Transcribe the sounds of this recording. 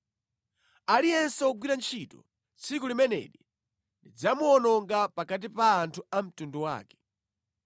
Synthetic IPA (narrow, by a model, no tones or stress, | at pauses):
alijɛnsɔɔɡwiɾant͡ʃʰiːtɔ̰ | t͡sʰikulimɛnɛ̰ɗi | ndid͡zamuɔnɔŋɡapakat̬ipaːntʰuam̩tunduwa̰ːkɛ̥